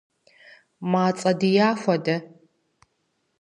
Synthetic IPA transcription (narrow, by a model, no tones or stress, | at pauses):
maːt͡sʼɐdijaːxʷɐdɐ